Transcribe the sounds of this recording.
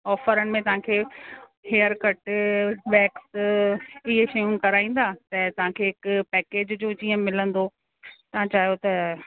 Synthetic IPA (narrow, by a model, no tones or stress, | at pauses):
ɔːfəɾənɪ̆mẽt̪ɐʋ̤ãkʰeː | heːəɾkɐʈbɛːks | ɪɦeʃɐjũːnɪkɐɾaːĩːn̆d̪aːt̪ɐt̪ɐʋ̤ãkʰeːɪkpɛːkeːd͡ʑd͡ʑoːd͡ʑiːə̃mɪlə̃nd̪o | t̪ɐʋ̤ãt͡ɕaːɦjot̪ɐ